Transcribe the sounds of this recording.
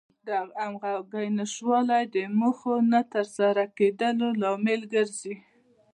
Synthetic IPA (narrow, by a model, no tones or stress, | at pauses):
d̪aamɣaɡajnəʃwɑlajd̪əməxonat̪əɾsaɾaked̪əlolɑmɪlɡəɾzi